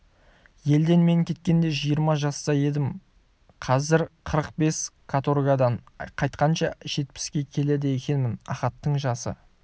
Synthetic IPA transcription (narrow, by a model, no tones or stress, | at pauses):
je̞ld̪e̞nme̞ŋkʲʰe̞t̪̚kʲe̞nd̪e̞ʒijəɾmɑʒɑst̪ɑje̞d̪ɪm | qʰɑzɪɾqʰəɾəq̚be̞skʰat̪orɡad̪ɑɴqʰɑjt̪̚qɑnʃɑʒ̥e̞t̪̚pɪ̥skʲe̞kʲʰe̞le̞d̪eekʲe̞nmɪnɑ̰χɑt̪ːəɴʒɑsə̰